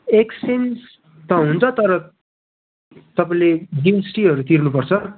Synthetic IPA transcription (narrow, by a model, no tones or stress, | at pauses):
eksens | t̪ʌ̃ɦunt͡sʰʌt̪ʌɾʌ | t̪ʌpaĩleɖiwʌsʈiɦʌɾut̪irnupʌrt͡sʰʌ